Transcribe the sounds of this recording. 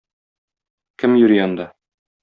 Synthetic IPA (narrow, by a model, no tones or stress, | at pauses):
kɘmjɵ̆ɾiɒnd̪ɑ